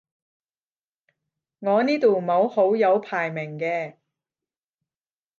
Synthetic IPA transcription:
ŋɔː˨˧niː˥t̪uː˨˩mo˨˧who˨˥wjɐ˨˧wpʰaː˨˩jmɪ˨˩ŋkɛː˧

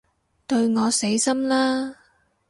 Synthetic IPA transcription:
t̪ɵ˧ɥŋɔː˨˧se˨˥jsɐ˥mlaː˥

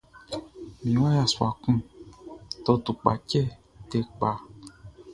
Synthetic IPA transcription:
mĩ˨˦wa˦ja˨su˨a˨kũ˦ | to˧tu˨k͡pa̰˨t͡ʃɛ˦ | te˧˦k͡pa˨˧

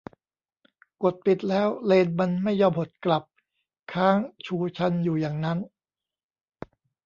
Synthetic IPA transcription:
ko˨˩t̪̚pi˨˩t̪̚lɛː˦˥wleː˧nma˧nma˥˩jːɔː˧mho˨˩t̪̚kla˨˩p̚ | kʰaː˦˥˩ŋt͡ɕʰuː˧t͡ɕʰa˧njuː˨˩jaː˨˩ŋna˦˥n

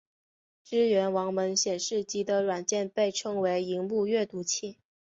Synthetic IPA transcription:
ʈ͡ʂɻ̩˥ɥɛ˧˥nwɑ˧˥ŋmə˧˥nɕjɛ˨˩nʂɻ̩˥˩t͡ɕi˧˥d̪ə˧ɻwa˨˩nt͡ɕjɛ˥˧npe˥˩ɪʈ͡ʂʰɤ˥ŋwe˧˥ɪi˧˥ŋmu˥˧ɥɛ˥˩t̪u˧˥t͡ɕʰi˥˩

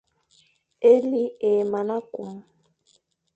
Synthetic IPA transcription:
e˦li˦e˨ma˨na˦ku˨ŋ˦

